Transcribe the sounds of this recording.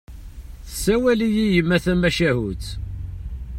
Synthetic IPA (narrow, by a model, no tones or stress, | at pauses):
θə̥sːæwælijijəmːæθæmæʃæɦut͡s